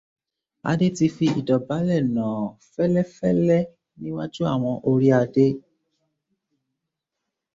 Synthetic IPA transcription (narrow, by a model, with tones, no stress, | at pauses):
a̰˧de˦ti˧fi˧ḭ˨dɔ˨ba˨˦lɛ˦˨nã˨fɛ˦lɛ˦fɛ˦lɛ˦ | nĩ˦wa˦d͡ʒu˦a˦˨w̃ɔ̃˧ʔo˧ɾi˦a˧de˦